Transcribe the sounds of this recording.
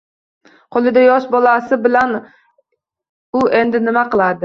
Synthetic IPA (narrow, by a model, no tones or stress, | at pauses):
qʰolˠɨd̪ɛjɑʃbɑlˠɑsɨbɪlɛn | uʔend̪ɪnɪmæqəlˠɑd̪ɪ